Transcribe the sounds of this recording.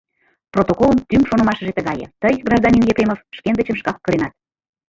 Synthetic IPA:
prot̪okoləmt̪ymʃonə̆mɑʃə̆ʒet̪ə̆ɣɑjə̰̆t̪əjɡrɑʒd̪ɑnʲinjepɾʲemofʃkend̪ə̆t͡ɕəmʃkɑkːə̆ɾenɑt̪̚

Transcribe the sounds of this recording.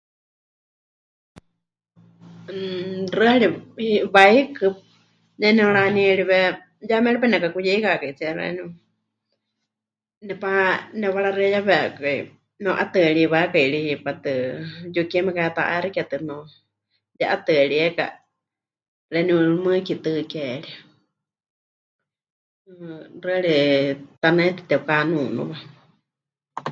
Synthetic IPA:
rɨhaɺihiβaikɨ | jɛnɛuɺaniɛɺiβɛ | jamɛɺipanɛkakujɛikakait͡siɛɾɛ̰ni | nɛpanɛβaɺaɾɨɛjaβɛkai | nɛʔat̪ɨɺiβakaiɺihipat̪ɨjukiɛmɛkajat̪a̰ʔaɾikat̪ɨno | jaʔat̪ɨɺiɛka̰ | ɾɛniɾlumɨkit̪ɨkɛɺia | rɨaɺit̪anɛt̪ɨ̥t̪ɛukanuːnṵβa

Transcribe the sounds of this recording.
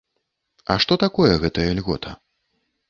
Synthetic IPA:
ɐʂt̪ɔt̪akɔjɛɣɛt̪ɐjɐlʲɣɔ̰t̪ʰɐ

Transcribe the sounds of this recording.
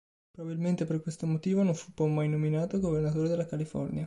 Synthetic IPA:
pɾobabilment̪eperkwest̪omot̪iːvonoɱfupɔmajnominaːt̪oɡovernat̪oːɾed̪elːakalifɔ̰rnja

